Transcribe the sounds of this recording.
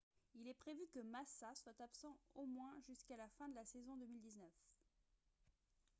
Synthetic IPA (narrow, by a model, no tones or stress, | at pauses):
ilɛpχevykəmasaswat̪apsɑ̃omwɛ̃ʒyskalafɛ̃d̪əlasezɔ̃d̪əmild̪iznœf